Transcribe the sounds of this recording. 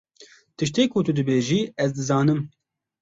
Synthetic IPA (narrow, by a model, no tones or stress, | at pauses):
t̪ɨʃt̪eːkʊt̪ʊd̪ɨbeːʒiːɛzd̪ɨzɑːnɨm